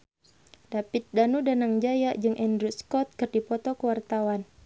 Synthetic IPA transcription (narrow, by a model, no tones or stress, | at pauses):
dapit̪̚danudanaŋd͡ʒajaʔd͡ʒɨŋʔɛndɾuskɔt̪̚kɨrdipɔt̪ɔkəwart̪awan